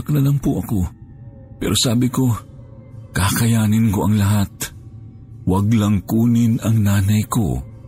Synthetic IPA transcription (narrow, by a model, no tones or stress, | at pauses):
ɐknɐlaŋpʊʔɐko̞ | pɛ̰ːɾʔo̞saːbɪko̞ | kakɐjaːnɪnko̞ʔɐŋlɐɦat̪̚ | wɐɡlɐŋkuːnɪnɐŋnaːnɐjko̰